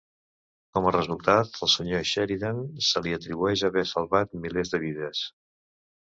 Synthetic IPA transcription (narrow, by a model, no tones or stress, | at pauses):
kɔmərəzulˠt̪at̪əlˠsəɲoʃɛɾiðansəliət̪ɾiβuɛʃəβɛsəlˠβat̪̚milezðəβiðəs